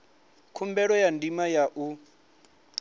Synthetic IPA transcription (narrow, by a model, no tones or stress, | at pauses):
kʰumbɛɺɔjandimajaʔu